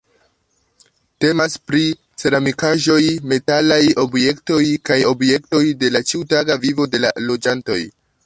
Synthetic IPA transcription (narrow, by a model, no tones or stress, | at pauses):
te̞maspɾi | t͡se̞ɾamikaʒo̞jme̞talajo̞bje̞kto̞jkajo̞bje̞kto̞jde̞lat͡ʃiutaɡavivo̞de̞la̰lo̞d͡ʒanto̞̰j